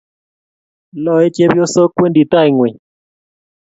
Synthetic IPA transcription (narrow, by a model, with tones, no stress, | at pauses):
lɔ˦˨e˦t͡ʃe˦bjo˦so˦kwe˦ndi˨ta˦i˨ŋwe˨